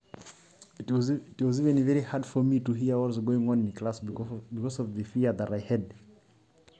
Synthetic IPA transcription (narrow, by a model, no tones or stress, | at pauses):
twɔzivɛ̃nvɛɹihadfɔmituɦiawɔzɡoɪ̃ŋɔ̃nnkʰlasbikɔsɔvðəfiəðəɾaɪhɛd̚